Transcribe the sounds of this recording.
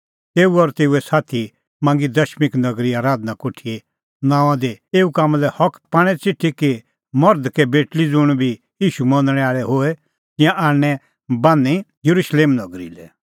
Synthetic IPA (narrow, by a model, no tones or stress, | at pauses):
t̪eːuɔɾt̪eːuɛsaːt̪ʰi | mãːŋɡid̪ɐʃmɪknɐɡɾiaːɾaːd̪nakoːʈʰie | nãːw̃ãd̪eeːukaːmalɛhɔkʰpaːɽ̃ɛt͡sɪʈʰiki | mɔɾd̪kebeːʈlid͡zʊɽ̃bʱi | jiːʃumɔ̃nd̪ɽ̃ɛ̃aːɭɛɦoɛ | t̪ɪ̃jãʔaːnːɛ | bãːnijɐɾuʃleːmnɐɡɾḭlɛ